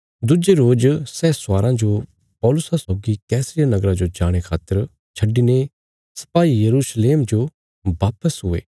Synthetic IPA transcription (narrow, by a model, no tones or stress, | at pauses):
d̪ʊd͡ʒeɾoːd͡ʒsɛːsʊaːɾãd͡ʒo | pɔːlʊsasɔːɡikɛːsɾɪjanɐɡɾãd͡ʒod͡ʒaːɽ̃ekʰaːt̪ːəɾ | t͡ʃʰɐɖine | sɐ̥paːijɐɾuʃleːmd͡ʒo | baːpəsɦʊḛː